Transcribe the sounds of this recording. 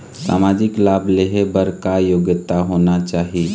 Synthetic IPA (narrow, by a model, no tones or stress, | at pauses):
sa̰ːmaːd͡ʒɪklaːbleɦebəɾkajoɡjət̪aɦonat͡ʃaːɦi